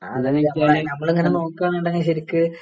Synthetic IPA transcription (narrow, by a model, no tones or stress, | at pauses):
ɐ̰ðeŋːɐitʲːaːlenɐmːɐɭɨŋːɐneno̞ːkːaːɳɳɖeŋːɐɕɐɾikːɨ